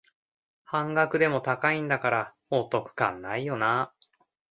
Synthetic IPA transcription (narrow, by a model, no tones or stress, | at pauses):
hãŋɡakɯ̟d̪e̞mo̞t̪akaĩnd̪akaɾahoːt̪o̞kɯ̟̥kã̰nːaijo̞na